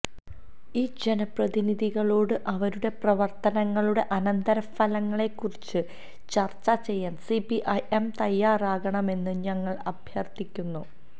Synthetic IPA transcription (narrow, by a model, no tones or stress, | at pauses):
iːd͡ʑe̞nɐprɐðiniðiɣɐɭoːɽɨʔɐʋɐɾuɽe̞prɐʋɐrt̪ɐnɐŋːɐɭuɽe̞ʔɐnɐnd̪ɐɾɐɐlɐŋːɐɭe̞kːurit͡ɕːɨ | t͡ɕɐrt͡ɕːɐt͡ɕe̞jːaːnsipiʔɐjʔemt̪ɐjːaːraːɣɐɳɐme̞nːɨɲɐŋːɐɭɐbʱjɐrt̪ikʲːunːu